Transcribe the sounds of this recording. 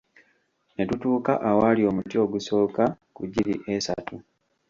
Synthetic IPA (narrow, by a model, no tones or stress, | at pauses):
ne̞tutuːka̰ʔawalio̞ːmutio̞ɡuso̞ːka | kuɟilḭʔesa̰tu